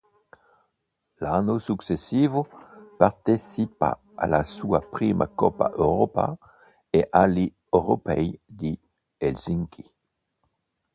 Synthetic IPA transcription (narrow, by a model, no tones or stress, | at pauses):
lanosuksesivopaʁt̪esipa̰ | a̰lasuapʁimʔa̰kɔpa̰ʔøʁopa̰ | eʔali | øʁopɛjd̪i | elziŋkʰi